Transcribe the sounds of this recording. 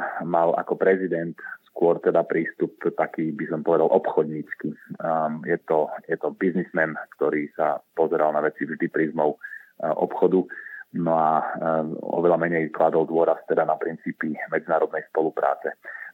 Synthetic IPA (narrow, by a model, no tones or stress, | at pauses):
mala̰kɔpɾɛzid̪ɛnt̪skʊɔɾt̪ɛd̪apɾiːst̪upt̪akiːbisɔmpɔʋɛd̪alʔɔpxɔd̪ɲiːt͡ski | jɛt̪ɔjɛt̪ɔbiznizmɛnkt̪ɔɾiːsapɔzɛɾalnaʋɛt͡sivʒd̪ipɾizmɔʊʔɔ̰pxɔd̪unɔa | ɔ̰ʋɛʎamɛɲɛjklad̪ɔld̪ʊɔɾast̪ɛd̪anapɾint͡siːpimɛd͡zinaːɾɔd̪̚nɛjspɔlupɾa̰ːt͡sɛ